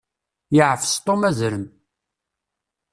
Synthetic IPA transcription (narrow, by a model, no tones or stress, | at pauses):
jəʕfst̪ˤːomæzɾəm